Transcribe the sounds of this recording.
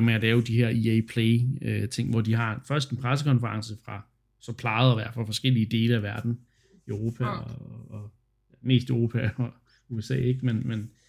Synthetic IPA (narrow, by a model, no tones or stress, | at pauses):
meælɛʊd̥iɦæɐ̰iepʰleːøt͡sʰe̝ŋ̰ʋɒd̥iɦɑ̈fɶɐsd̥enpʰʁas̬əkʰɒ̽nfəʁɑ̈ŋsəfʁɑ̈ | sɒ̽pʰlɑ̈ð̩ˠɒʋæɐ̥fʁɑfɒ̽sɡ̥el̰iəd̥e̝ːləæʋæɐd̥n̩ | øʊʁo̝ːpʰæɒː | me̝̰ːsd̥əʊʁo̝ːpʰæɒ | uesɛ̰ːeɡ̥menmen